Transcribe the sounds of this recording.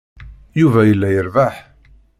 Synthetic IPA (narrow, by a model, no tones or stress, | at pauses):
juvæjəlːæjəɾvaħ